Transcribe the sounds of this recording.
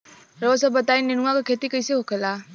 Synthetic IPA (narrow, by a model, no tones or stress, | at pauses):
ɾɔsɔbət̪ajnːiñuakɔkʰet̪ikəjseɦokʰela